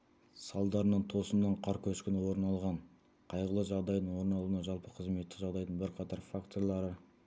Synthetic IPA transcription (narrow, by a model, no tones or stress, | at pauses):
sɑlˠd̪ɑɾənəɴt̪ʰo̞səmd̪ɑɴqʰɑɾkʲʰɵʃkʲɪnɪwo̞ɾnɑlˠʁɑɴ | qʰɑjʁəlˠəʒɑʁd̪ɑjd̪əɴwo̞ɾnɑlˠuənɑʒɑlˠpəqʰəzme̞t̪ːɪkʒɑʁd̪ɑjd̪əɴbɪɾqʰɑt̪ɑɾfakt̪o̞ɾlˠɑɾə